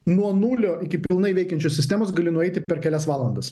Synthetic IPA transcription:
nuɔnulʲoːʔɪkʲɪpʲɪlˠnɐɪʋʲɛɪkʲɛnʲt͡ʃʲoːssʲɪsʲt̪ʲæːmoːs̬ɡɐlʲɪnʊɛɪt̪ʲɪpʲɛɾkʲɛlʲɛsʋɑːlˠɐnd̪ɐs

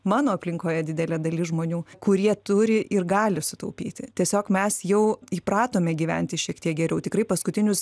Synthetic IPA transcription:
mɑːnoːɐpʲlʲɪŋkoːjɛdʲɪd̪ʲɛlʲɛd̪ɐlʲɪʒmoːnʲuːkʊɾʲiɛt̪ʊɾʲɪʔɪrɡɑːlʲɪsʊt̪ɐʊpʲḭːt̪ʲɪt̪ʲiɛsʲoːkmʲɛsjɛʊiːpɾɑːt̪oːmʲɛɡʲiːʋʲɛ̰nʲt̪ʲɪʃʲiɛkt̪ʲiɛk̚ɡʲɛɾʲɛʊt̪ʲɪkrɐɪpɐskʊt̪ʲɪnʲʊs

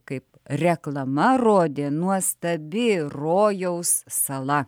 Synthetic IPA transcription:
kɐɪp | rʲɛklˠɐmɐroːd̪ʲeːnuɔst̪ɐbʲɪroːjɛʊssɐlˠɐ

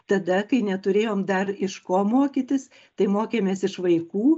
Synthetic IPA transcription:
t̪ɐd̪ɐkɐɪnʲɛt̪ʊɾʲeːjoːmd̪ɐrɪʃkoːmoːkʲit̪ʲɪs | t̪ɐɪmoːkʲeːmʲeːsɪʃʋɐɪkuː

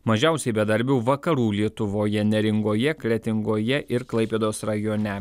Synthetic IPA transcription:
mɐʒʲɛˑʊsʲɛɪbʲɛd̪ɐɾʲbʲɛʊʋɐkɐɾuːlʲiɛt̪ʊʋoːjɛnʲɛɾʲɪŋɡoːjɛklʲɛt̪ʲɪŋɡoːjɛʔɪɾklˠɐɪpʲeːd̪oːsɾɐjoːnʲɛ

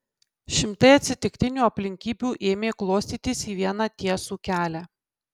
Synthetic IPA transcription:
ʃʲɪmt̪ɐɪɐt̪ʲsʲɪt̪ʲɪkt̪ʲɪnʲuːɐpʲlʲɪŋʲkʲiːbʲuːʔeːmʲeːklˠoːsʲt̪ʲiːt̪ʲɪsiːʋʲiɛnɑt̪ʲiɛsuːkʲæːlʲæ

